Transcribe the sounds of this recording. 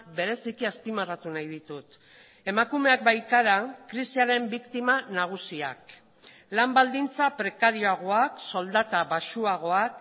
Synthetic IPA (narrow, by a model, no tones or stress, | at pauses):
be̞ɾe̞sikiaspimarat̪unajð̞it̪ut̪ | e̞makume̞ak̚bajt̪aɾakɾisiaɾe̞mbikt̪imanaɣ̞usia̰k | lambald̪int͡sapɾe̞kaɾio̞aɣ̞o̞akso̞ld̪at̪aβaʃuaɣ̞o̞ak